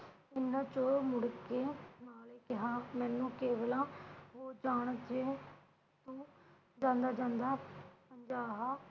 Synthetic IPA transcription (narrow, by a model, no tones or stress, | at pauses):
ɪnːãːt͡ʃoːmʊɽkeːnaːleːkɪɦaːmɛ̃ːnːũːkeːʋəlãːʋoːd͡ʒaːɽ̃d͡ʒeː | t̪ũː | d͡ʒãːnd̪aːd͡ʒãːnd̪aːpəɲd͡ʒaːɦaː